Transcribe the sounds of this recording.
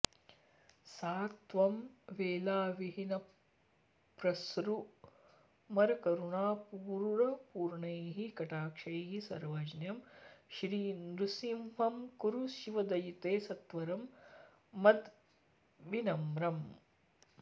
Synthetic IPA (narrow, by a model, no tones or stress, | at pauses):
saːt̪ʋɐmʋeːlaːʋiɦinɐ | pɾɐsɾu | mɐɾkɐɾuɳaːpuːɾɾɐpuːɾɳeːɦikɐʈaːkʂɐjɦisɐ̰ɾʋɐd͡ʒɐnjɐmʃɾiːnɾusimʋɐmkuɾuʃiʋɐd̪ɐjit̪eːsɐt̪ʋɐɾɐmː | ɐd̪ | ʋinɐmɾɐm